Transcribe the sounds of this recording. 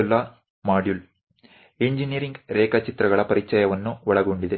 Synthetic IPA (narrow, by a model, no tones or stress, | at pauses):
lːɐ | maːɖjul | eɲd͡ʒinijɐɾiŋɡɾɛːkɐt͡ʃit̪ɾɐɡɐɭɐpɐɾit͡ʃɐjɐʋɐnːuʋɐɭɐɡoɳɖid̪e